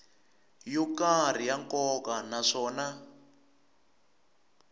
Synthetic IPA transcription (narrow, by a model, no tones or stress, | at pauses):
jukar̤ijaŋkɔkanaʂɔːna